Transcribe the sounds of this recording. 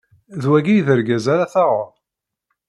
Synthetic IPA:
ðwæɡijðəɾɡæzaɾaθaʁʊɾ

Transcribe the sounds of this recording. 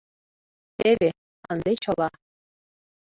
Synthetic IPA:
ebʲe | ɑ̰ndet͡ɕɤ̆lˠɑ

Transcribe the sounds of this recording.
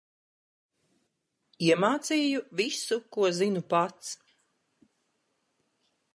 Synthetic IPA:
iɛmaːt̪siːjuvisukuɔzinupat̪s

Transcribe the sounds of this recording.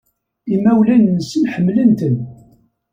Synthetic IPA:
imːæwlænːəsənħəmːlənt̪ən

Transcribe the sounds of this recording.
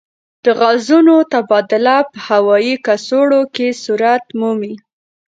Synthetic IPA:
d̪̥əɣazunot̪abɑd̪ɪlapəhawɑjikasoɽokesuɾat̪mumi

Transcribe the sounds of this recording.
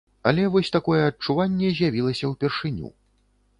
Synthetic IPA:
ɐlʲɛvɔsʲt̪akɔjɛɐt͡ʂuvanʲːɛzʲjavʲilˠɐsʲɐwpʲɛrʂɨnʲṵ

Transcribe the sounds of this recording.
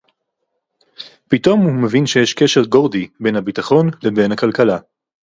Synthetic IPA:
pito̞mhumevinʃe̞jeʃke̞ʃe̞ʁɡo̞ʁdibe̞nhabitaχo̞nlebe̞jnhakalkala

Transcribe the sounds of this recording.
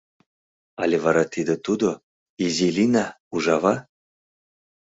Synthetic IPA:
alʲevaɾat̪ʰid̪ət̪ud̪o | izilʲina | uʒɑva

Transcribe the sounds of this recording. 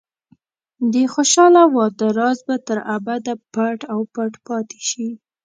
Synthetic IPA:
d̪exoʃɑlawɑd̪aɾɑzbat̪əɾabad̪apaʈawpaʈpɑt̪e̥ʃi

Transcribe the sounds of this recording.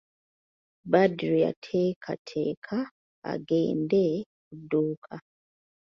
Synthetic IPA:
badɾija̰tʰekʰa̰tʰekʰa | a̰ɡḛːnde | kuduːkʰa

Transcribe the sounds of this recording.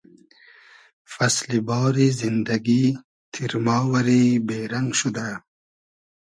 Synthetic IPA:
fɐslibɑːɾizind̪ɐɡi | t̪ʰiɾmɑːwɐɾiːbeːɾaŋɡʃud̪a

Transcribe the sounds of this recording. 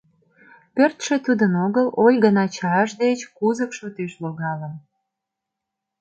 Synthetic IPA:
pørt̪ʃĕt̪ud̪ənoɣəlolʲɣənɑt͡ɕɑʃd̪et͡ɕkuzəkʃut̪iʃloɣɑlən

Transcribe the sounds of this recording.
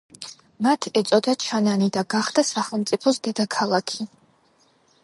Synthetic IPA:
mat̪ʰɛt̪sʼɔd̪at͡ʃʰananid̪aɡaχd̪asaχɛlˠmt̪sʼipʰɔsd̪ɛd̪akʰalˠakʰi

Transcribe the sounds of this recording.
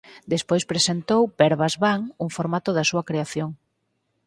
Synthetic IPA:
d̪espojspɾesent̪owpɛɾβazβaŋuŋfoɾmat̪ʊðɐsuɐkɾeaθjoŋ

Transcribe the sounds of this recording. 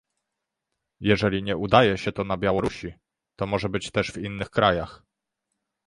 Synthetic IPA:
jɛʐɛlʲiɲɛʔud̪ajɛɕɛt̪ɔnabʲjawɔɾuɕi | t̪ɔmɔʐɛbɘt͡ɕt̪ɛʐvinːɘxkɾajax

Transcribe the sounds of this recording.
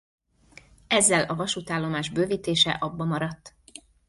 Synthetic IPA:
ɛzːɛlɒvɒʃut̪aːlːo̞maːʒbøːviːt̪eːʃɛ̰ʔɒbːɒmɒɾɒt̪ː

